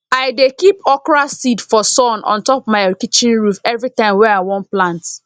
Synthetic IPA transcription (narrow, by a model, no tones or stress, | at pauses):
aɪdekipɔkɹasidfɔsɔ̃nʔɔ̰̃ntɔpmaɪkit͡ʃĩnɹufɛvɹitãɪ̃mwɛaɪwɔ̃nplãnt